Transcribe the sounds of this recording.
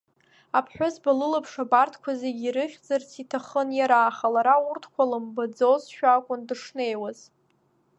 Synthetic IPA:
apʰħʷᶣʊzbalɨlɨpʰʂabartʰkʷʰazeɡʲiɾɨχʲᶣd͡zart͡sʰitʰaχənjaɾaːχalaɾaurtʰkʷʰalɨmbad͡zozʃᶣakʷʼʊndɨʂne̞jwaz̥

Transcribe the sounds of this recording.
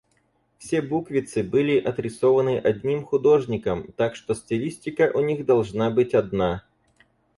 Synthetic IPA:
fsʲebukvʲɪt̪sɨbɨlʲɪʔɐt̪ɾʲɪsovənɨʔɐdʲnʲimxʊd̪o̞ʐnʲɪkəmt̪akʂt̪osʲtʲɪlʲisʲtʲɪkəʔʊnʲiɣd̪ɐlˠʐnabɨtʲɐd̪na

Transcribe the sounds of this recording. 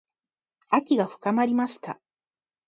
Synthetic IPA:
akʲiɡaɸɯ̥kamaɾʲimaʃt̪a̰

